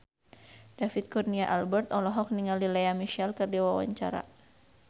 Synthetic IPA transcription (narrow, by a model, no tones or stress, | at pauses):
d̥afit̪̚kɔrniaʔalbɛrt̪ɔlɔɦɔk̚niŋalilɛamiʃalkɨrdiwawa̰ɲt͡ʃa̰ɾa̰